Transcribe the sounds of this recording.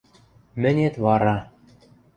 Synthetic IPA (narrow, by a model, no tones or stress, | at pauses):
mɘ̆nʲet̪βɑɾɑ